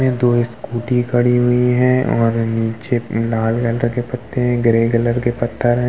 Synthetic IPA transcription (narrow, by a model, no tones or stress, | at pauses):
mẽd̪oːɪskuːʈikɐɽiɦʊiɦɛ̃ɔ̰ːɾniːt͡ʃelaːlɡələɾkepɐt̪ʰːeɦɛ̃ɡɾeːɡələɾkepɐt̪ʰːəɾɦɛ̃